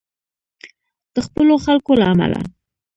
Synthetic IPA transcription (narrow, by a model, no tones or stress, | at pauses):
d̪̥əxpəloxalkolaːma̰la̰